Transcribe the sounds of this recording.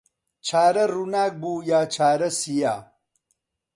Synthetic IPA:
t͡ʃʰaːɾɐɾunaːk̚buːjaːt͡ʃʰaːɾɐsijaː

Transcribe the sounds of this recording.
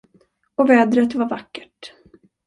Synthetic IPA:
ɔvɛːd̪ɾət̪vaɾvakːə̥ʈ

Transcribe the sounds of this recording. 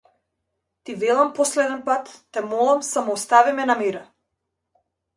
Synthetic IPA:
t̪ivɛlˠampɔslɛd̪ɛnpat̪ːɛmɔlˠamsamɔːst̪avimɛnamɛɾa

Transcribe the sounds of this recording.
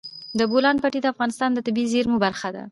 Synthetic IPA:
d̪əbolɑnpaʈid̪əafɣɑnɪst̪ɑnd̪ət̪ɪbizeɾmubaɾxad̪a̰

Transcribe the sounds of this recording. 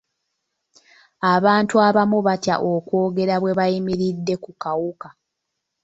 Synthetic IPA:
aβaːntuaβamuβatja̰ʔo̞kwo̞ːɡe̞ɾaβwe̞βajimiɾidːe̞kukawuka

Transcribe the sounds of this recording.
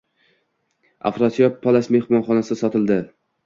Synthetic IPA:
a̰fɾɒt̪jɒpʰːalˠasme̞hmɒnχɒnasɪsɒt̪ʰɪld̪ɪ

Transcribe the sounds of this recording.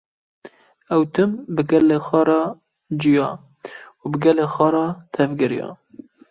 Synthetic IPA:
ɛwt̪ʰɨmbɨɡɛlːeːxʷɑːɾɑː | d͡ʒijɑː | ubɨɡɛleːxʷɑːɾɑːt̪ʰɛvɡɪɾijɑ̰ː

